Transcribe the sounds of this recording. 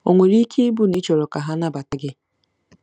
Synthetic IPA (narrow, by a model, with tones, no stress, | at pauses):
o̰˨ŋʷe˨ɾi˦kʰi˦bu˦ni˦t͡ʃo˨ɾo˨ka˨ɦa˦na˦ba˨ta˦ɡɪ˦